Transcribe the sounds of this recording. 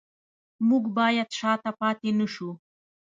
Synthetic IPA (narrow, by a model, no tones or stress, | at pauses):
mʊkbaːjat̪ʃaːt̪apaːt̪ɪnʊʃʊ